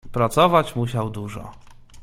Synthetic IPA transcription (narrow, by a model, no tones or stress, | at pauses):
pɾat̪sɔvat͡ɕmuɕawd̪uʐɔ̰